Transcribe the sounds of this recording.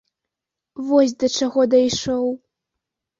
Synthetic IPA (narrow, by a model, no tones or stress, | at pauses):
vɔsʲd̪ɐt͡ʂaɣɔd̪ɐjʂɔw